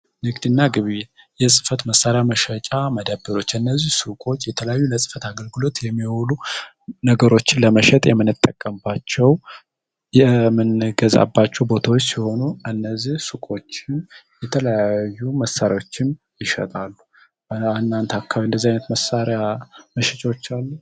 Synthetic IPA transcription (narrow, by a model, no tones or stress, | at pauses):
nɨɡd̪ɨnːaɡɨβe | jɛsʼɨfət̪məsːaɾejaməʃət͡ʃʼaməd̪əbːɨɾo̞t͡ʃːɨnːəzːihsukʼo̞t͡ʃːjɛt̪ʰələjajːuləsʼɨ̥fət̪aɡəlɡɨlo̞t̪jɛmːiwolu | nəɡəɾo̞t͡ʃːɪnləməʃɛt̪ʼjɛmːɨnːɨt̪ʼːəkʼːəmbat͡ʃːɛw | jɛmɨnɡəza̰bːat͡ʃːɛwbo̞t̪ʰawot͡ʃːsiho̞nuɨnːəzːihsukʼo̞t͡ʃːɪnjɛt̪ʰələjaajːuməsːaɾjaot͡ʃːɪn | jɪʃə̰t̪ʼalːu | anːant̪ʰakʰːaɨnd̪əzːihajnət̪məsaɾejaməʃɛt͡ʃʼawot͡ʃːalːu